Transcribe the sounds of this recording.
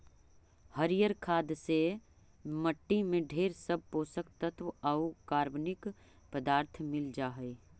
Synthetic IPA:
həɾijəɾkʰaːd̪se | məʈːimẽɖʱeːɾsəb̚poːsək̚t̪ət̪ʋɐukaːɾbnɪk | pəd̪aːɾt̪ʰmɪld͡ʒaːɦɛe

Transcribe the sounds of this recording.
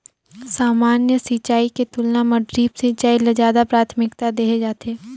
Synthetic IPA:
saːmaːnjəsit͡ʃaːiket̪ʊlnamɐɖɾiːpsit͡ʃaːiled͡ʒaːd̪apɾaːt̪ʰmɪkt̪ad̪eːɦed͡ʒaːt̪eː

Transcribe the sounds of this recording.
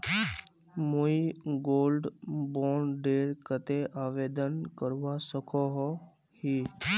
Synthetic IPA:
moiɡoːlɖboːnɖeːɾkət̪eʔaːʋeːd̪ənkəɾʋasəkʰoɦɔ | hiː

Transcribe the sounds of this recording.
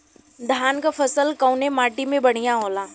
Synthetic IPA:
d̪ʱaːnkafʰɐsəlkɐʊnemaːʈimẽbɐɽ̤̃ijãɦoːlaː

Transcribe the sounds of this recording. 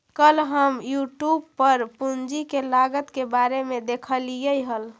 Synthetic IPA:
kəlɦəmjuʈjubpəɾpund͡ʒikelaɡət̪kebaɾemed̪ekʰəlijəjɦəl

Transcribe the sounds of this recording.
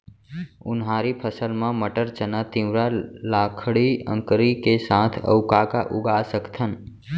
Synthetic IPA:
ʊnɦaːɾipʰəsəlmãməʈəɾt͡ʃənat̪ĩwɾalaːkʰɽiə̰̃ŋkəɾikesãːt̪ʰə̰ʊkaka̰ʔʊɡasəkt̪ʰən

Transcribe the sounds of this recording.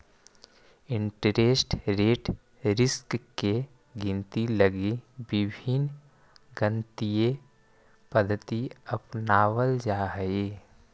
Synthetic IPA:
ɪ̃ɳʈɾeːsʈɾeːʈ | ɾɪskke | ɡɪ̃nt̪iləɡibɪbʱin | ɡə̃nt̪ije | pəd̪ʱt̪iəpnaːʋəld͡ʒaːɦe

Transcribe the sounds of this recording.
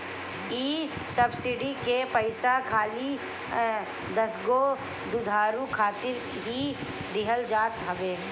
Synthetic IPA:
iː | sɐbsɪɖikepəɪsakʰaːli | d̪ɐsɡo | d̪ʊd̪ʱaːɾũkʰaːt̪ɪɾ | ɦi | d̪ɪɦəld͡ʒaːt̪ɦɐʋeː

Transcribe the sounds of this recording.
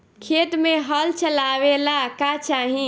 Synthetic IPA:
kʰet̪meɦəlt͡ʃəlaʋelakat͡ʃaɦĩ

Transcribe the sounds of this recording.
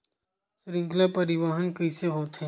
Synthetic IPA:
sɾɪ̃ŋklapɐɾɪʋaːɦənkəseɦoːt̪ɦe

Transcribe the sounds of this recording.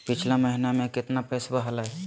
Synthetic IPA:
pɪt͡ʃʰlaməɦinamẽkɪt̪napɛːsbəɦalaɦɛ

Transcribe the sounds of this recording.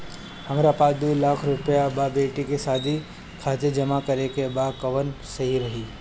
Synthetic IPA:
hɐmɾapaːsd̪uːlaːkʰɾʊpəjababeːʈikesaːd̪ʱi | kʰaːt̪ed͡ʒɐmakəɾekebakɐʋənsɐɦiɾɐɦiː

